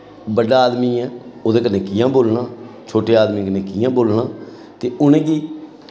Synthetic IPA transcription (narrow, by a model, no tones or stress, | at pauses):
bəɖaːaːd̪mĩːɛ̃ːoːd̪eːkənẽːkɪjãːboːlnãːt͡ʃʰoːʈeːaːd̪miːkənẽːkɪjãːboːlnãː | t̪eːʊnẽːɡiː